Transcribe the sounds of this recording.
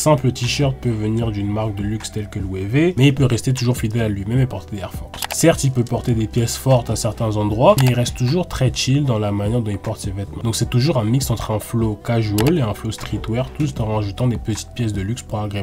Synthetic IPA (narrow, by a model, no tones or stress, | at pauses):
sɛ̃plət̪iʃœʁt̪̚pøvəniʁd̪ynmaʁk̚d̪əlykst̪ɛlkəlwevemɛilpøʁɛst̪et̪̬uʒuʁfid̪ɛlalɥimɛmɛpɔʁt̪eɛʁfɔʁssɛʁt̪ilpøpɔʁt̪ed̪epjɛsfɔʁt̪asɛʁt̪ɛ̃zɑ̃d̪ʁwamɛilʁɛst̪ːt̪ːuʒuʁt̪χɛt͡ʃild̪ɑ̃lamanjɛʁd̪ɔ̃ilpɔʁt̪sevɛt̪mɑ̃d̪ɔ̃ksɛt̪uʒuʁɛ̃miksɑ̃t̪χɛ̃flokaʒoleɛ̃flost̪χit̪wɛʁt̪ust̪ɑ̃ʁaʒut̪ɑ̃d̪epət̪i̥t̪̚pjɛs̬d̪əlykspuʁaɡʁe